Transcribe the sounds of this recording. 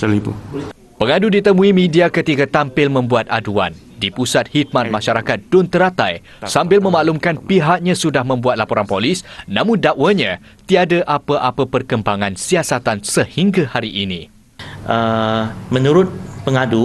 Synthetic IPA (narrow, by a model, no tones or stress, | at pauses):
səlipṵ | pəŋadudit̪əmũimĩdiakət̪ikat̪ampɪlmə̃mbuat̪̚a̰dua̰n | dipusat̪̚hit̪̚manmãʃaɾakat̪̚d̥ʊnt̪əɾat̪aj | sambɪlmə̃maʔlumkanpiɦak̚ɲãsudahmə̃mbuat̪̚lapɔɾanpolisnãmʊndaʔwaɲã | t̪iadaʔapəʔapəpərkəmbaŋãnsiasat̪ansəhiŋɡahaɾiʔinĩ | ʔəmə̃nuɾʊt̪̚pəŋadu